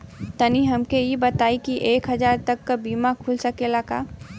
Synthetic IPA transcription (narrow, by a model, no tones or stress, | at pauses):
t̪əniɦɐmkejibət̪aːikiʔeːkɦɐd͡ʒaːɾt̪ɐkːabiːmãkʰulsəkelakaː